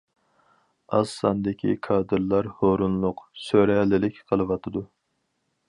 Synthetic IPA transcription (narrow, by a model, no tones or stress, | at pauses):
ɑ̰sɑnd̪ɪkʲʰḭkʰɑːd̪ɨɾlˠɑɾhoɾunlˠʊqsøɾɛlɪlɪkʲqʰəlˠɨwɑt̪ʰɨd̪u